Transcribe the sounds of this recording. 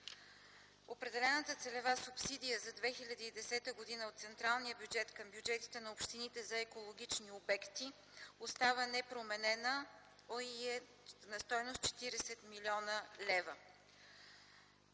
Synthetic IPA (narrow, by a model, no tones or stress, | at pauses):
opɾɛd̪ɛlɛnət̪ət̪sɛlɛvasupsid̪ijəzɐd̪vɛxilʲəd̪iːd̪ɛsɛt̪əɡod̪inəot̪t̪sɛnt̪ɾalˠnijəbjud͡ʒɛt̪kəmbjud͡ʒɛt̪i̥t̪ɛnɐopʃt̪init̪ɛzɐɛkolˠoɡʲit͡ʃniobɛkt̪i | ost̪avənɛpɾomɛnɛnə | oiɛ | nɐst̪ɔjnost̪̚t͡ʃɛ̥t̪iɾɛsɛt̪milʲiɔnəlɛvə